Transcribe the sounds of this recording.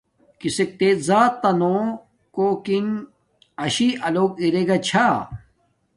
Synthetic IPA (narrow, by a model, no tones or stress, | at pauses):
kisek̚t̪eːzaːt̪ːɐnõ | koːkin | ɐɕiʔɐloːkiɾeɡɐt͡ɕʰa